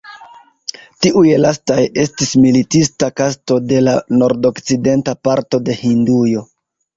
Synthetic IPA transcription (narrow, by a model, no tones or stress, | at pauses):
tiʔujlastaje̞stismilitistakasto̞de̞lano̞ɾdo̞kt͡side̞ntapaɾto̞de̞hindujo̞